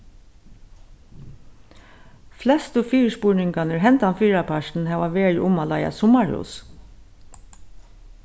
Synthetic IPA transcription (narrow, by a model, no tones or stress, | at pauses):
flɛst̪ʊfiːɹspuɹɳɪŋkanəɹɦɛnt̪anfiːɹapʰaʂn̩ɦɛːʋaʋeːɹʔʊmalaɪja̰sʊmaɹhṵːs